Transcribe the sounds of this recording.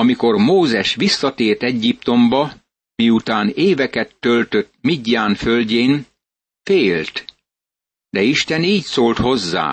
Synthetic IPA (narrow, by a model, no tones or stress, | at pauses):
ɒmiko̞rmoːzɛʃʋisːɒt̪eːrt̪ɛɟːipt̪o̞mbɒ | miut̪aːneːvɛkɛt̪ːølt̪øt̪miɟːaːnfølɟeːn | feːlt̪ | d̪ɛiʃt̪ɛniːcsoːlt̪ho̞zːa̰ː